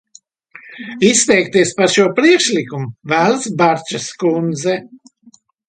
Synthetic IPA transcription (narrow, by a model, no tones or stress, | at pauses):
ist̪ɛjk̚t̪iɛspaɾʃuɔpɾiɛkʃlʲikumuvæːlˠsbaɾt͡ʃaskund̪zɛ